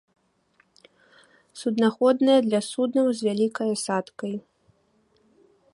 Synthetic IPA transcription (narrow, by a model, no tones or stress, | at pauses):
sud̪naxɔd̪nɨjɐd̪lʲɐsud̪nɐwzʲvʲalʲikɐjɐsat̪kɐj